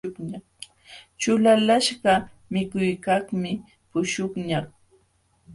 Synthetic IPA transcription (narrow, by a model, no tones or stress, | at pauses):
kɲaχ | t͡ʃʊlalaʃɢɑ | mɪkʊjkaχmɪ | pʊʃʊχɲaχ